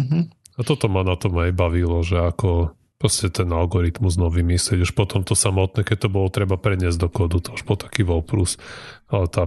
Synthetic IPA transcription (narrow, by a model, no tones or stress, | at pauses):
ɦ̩ | at̪ɔt̪ɔmanat̪ɔmajbaʋilɔʒɛakɔ | pɾɔscɛt̪ɛnalɡɔɾit̪muznɔʋimislɪɛɟuʃpɔt̪ɔmt̪ɔsamɔt̪nɛkɛc̚t̪ɔbɔlɔt̪ɾɛbapɾɛɲɪɛzɟd̪ɔkɔːd̪ut̪ɔuʒbɔlt̪ḁkiːʋɔlpɾusat̪a